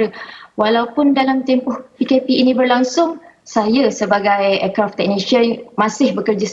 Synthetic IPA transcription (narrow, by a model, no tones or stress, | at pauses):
ɾəwalawpʊndalamt̪empʊhpikepiinĩbərlaŋsʊŋsajasəbaɡajɛkɾaft̪ːɛk̚niʃəmãsɪhbəkərd͡ʒa